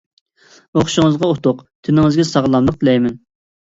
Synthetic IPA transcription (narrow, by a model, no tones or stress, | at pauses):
oχʃɪŋɨzʁɑot̪ʰʊqt̪ʰɪnɪŋɨzɡʲɛsɑʁlˠɑmlˠəq̚t̪ʰɪlɛjmɛn